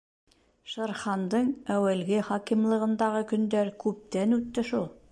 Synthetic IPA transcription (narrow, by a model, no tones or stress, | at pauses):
ʃɤ̆ɾχɑnd̪ɤɴæwælɡɘχɒkimlˠɤ̆ʁɤ̆nd̪ɑʁɤkɵ̆nd̪æɾkʉp̚t̪ænʉt̪ːɘʃulˠ